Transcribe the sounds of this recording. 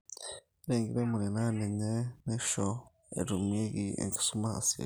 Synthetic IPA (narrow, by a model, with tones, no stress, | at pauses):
i˦ɾeː˨ŋɡi˨ɾe˦mu˨ɾi˨na˦ne˨ɲe˦ne˦ʃo | ḛ˨ɾu˨mie˦ɡi˨ḛ˨ŋɡi̥˨su˦ma˦a̰˨si˨ḛ˨